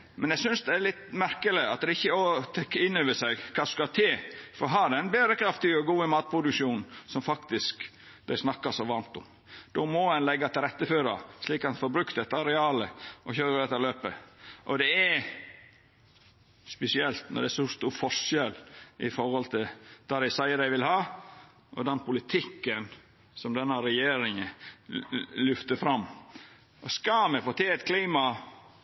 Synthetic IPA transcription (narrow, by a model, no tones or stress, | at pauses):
mɛnjæɡsʏnsd̪ɛæɾlɪt̪mæɾkəlɪɑt̪̚d̪ɛɪçːəɔt̪ʰɛkːɪnːøːʋəsæɪkʰɑːskɑt̪ʰeːfɔɾɦɑd̪ææɪnbeːd̪ɾəkʰɾɑft̪ɪɔɡuːəmɑːt̪̚pʰɾʊd̪ʉkʂuːnsɔmfɑkt̪ɪsk | d̪æɪsnɑkːɑsɔʋɑɾmt̪ʊm | d̪̥ɔmɔɛnlɛɡːɑt̪ʰɪlɾɛt̪ːəføːɾɑ̰sliːkɑnfɔɾbɾʉkt̪ɛt̪ːɑɾɛɑːləʔɔçøːɾəd̪ɛt̪ːɑɾløːpəʔɔd̪ɛɛ | spɛsɪɛlt̪nɔ̰ɖ̪ɛɛsɔst̪uːɾfɔʂɛlʔɪfɔɾhɔlt̪ʰɪd̪̥ɑɾæsɑɪəɾæɪʋɪlhɑː | ʔɔ̰d̪ɛnpʊlɪt̪ʰɪkːən | sɔmd̪ɛnːəɾɛjeːɾɪŋə | lʏft̪əfɾɑmː | ɔskɑmɛfoːt̪ʰɪɛt̪kʰliːmɑ